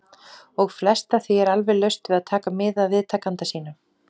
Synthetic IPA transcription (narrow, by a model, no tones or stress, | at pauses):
ɔɣflɛst̪aθviɛɾalvɛlœɥst̪vɪðaðt̪ʰaːkamɪːðaðvɪðt̪ʰaːkant̪asiːnʏɾ̥